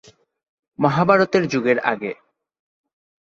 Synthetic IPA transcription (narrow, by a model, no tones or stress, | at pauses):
mɔɦabʱaɾot̪eɾd͡ʑuɡeɾa̰ɡe